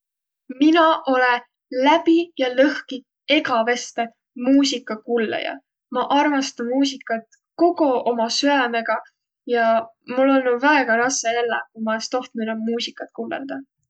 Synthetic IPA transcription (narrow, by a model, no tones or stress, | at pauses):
minɑʔo̞le | læpijɑlɤhki | e̞ɡɑve̞st̪e | muːsikːˑɑkulːḛjɑ̰ | mɑʔɑrmɑst̪ɑnmuːs̬ikːˑɑt̪ | ko̞ɡoomɑsyæme̞ɡ̥ɑ | jɑ | mulːo̞lnuvæeɡ̥ɑɾɑseelːḛkumɑest̪o̞ht̪̚minonmuːsikːˑɑt̪̚kuːlḛld̪̥ɑ